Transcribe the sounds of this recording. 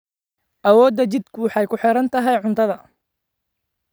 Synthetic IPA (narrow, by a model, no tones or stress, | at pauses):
ʔɐwɔːd̪ːɐt͡ʃɪd̪kʰʊwɑħɑjkʰʊħɪɾɐnt̪ʰɐɦɛjʕʊnt̪ʰɐðɐ